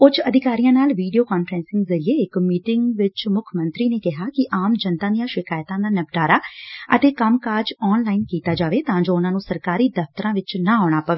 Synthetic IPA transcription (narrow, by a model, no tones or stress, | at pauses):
ʊt͡ʃʰəd̪ɪkaːɾijãːnaːlʋiːɖijoːkaːnfʰɾɛ̃ːnsɪŋɡzəɾieːɪkmiːʈɪŋɡʋɪt͡ʃmʊkʰmə̃nt̪ɾiːneːkɪɦaːkɪʔaːmd͡ʒənt̪ãːd̪ijãːʃɪkaːjt̪ãːd̪aːnəbʈaːɾaːə̰t̪eːkəmkaːɾd͡ʒɔːnlaːinkiːt̪aːd͡ʒaːʋeːt̪ãːd͡ʒoːʊnãːnũːsəɾkaːɾiːd̪əft̪əɾãːʋɪt͡ʃnaːɔːɽ̃aːpəʋeː